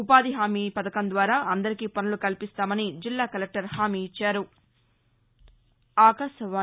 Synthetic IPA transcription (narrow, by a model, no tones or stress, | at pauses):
upaːd̪iɦaːmiːpɐd̪ɐkɐnd̪ʋaːɾaːʔɐnd̪ɐɾikiːpɐnɐlukɐlpist̪aːmɐnid͡ʒilːaːkɐlek̚ʈɐɾhaːmiːt͡ʃːaːɾu | aːkɐʃɐʋaː